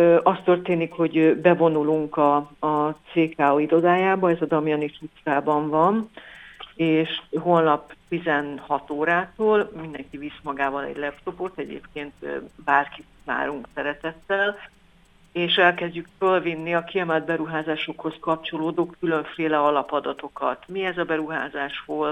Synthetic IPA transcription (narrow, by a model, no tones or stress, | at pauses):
øɒst̪ørt̪eːnikho̞ɟbɛvo̞nuluŋkɒː | t̪seːkaːoid̪o̞d̪aːjaːbɒɛzɒd̪ɒmjɒniʃut̪saːbɒɱvɒn | eːʃɦolnɒpt̪izɛnhɒt̪oːɾaːt̪oːlmind̪ɛŋkivismɒɡaːbɒnɛ̰ɟlɛpt̪o̞po̞t̪ɛɟḛːpkeːnt̪ːbaːrkit̪va̰ːɾuŋksɛɾɛt̪ɛt̪ːɛl | eːʃɛlkɛzɟykfølvinːiɒkiɛmɛld̪̚bɛɾuɦaːzaːʃo̞kho̞skɒp̚t͡ʃo̞loːd̪okːyløɱfeːlɛɒlɒpɒd̪ɒt̪o̞kɒ̰t̪miɛzɒbɛɾuɦa̰ːzaːʃhoːl